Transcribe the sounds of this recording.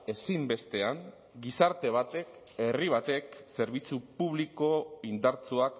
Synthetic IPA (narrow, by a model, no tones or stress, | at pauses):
e̞simbe̞st̪e̞aŋ | ɡisaɾt̪e̞β̞at̪e̞k | e̞riβ̞at̪e̞kse̞ɾβit͡supuβ̞liko̞ind̪aɾt͡suak